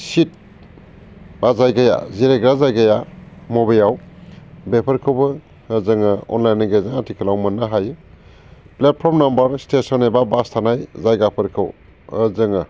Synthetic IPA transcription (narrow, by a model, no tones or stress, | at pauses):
sit̚ | bazajɡaja̰ziɾeɡɾazajɡajamobejaw | bepʰəɾkʰɯwbɯː | zɯŋɯɔ̰nlajnɯɡezaŋatʰikʰəlawmɯnːaɦajɯ | plet̚pʰɔɾmnambɐɾstesɔnebabastʰanajzajɡapʰɯɾkʰɯw | zɯŋɯ